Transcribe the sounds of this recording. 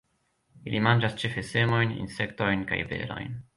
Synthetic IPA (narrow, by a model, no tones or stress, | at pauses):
ilʔimand͡ʒast͡ʃefese̞mo̞jnḭnse̞kto̞jnka̰jve̞̰lo̞̰jn